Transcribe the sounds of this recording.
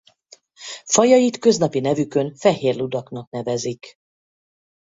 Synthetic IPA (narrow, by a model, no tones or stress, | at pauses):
fɒjɒjit̪kø̞znɒpinɛvykø̞nfɛɦeːrlud̪ɒknɒkn̪ɛvɛzik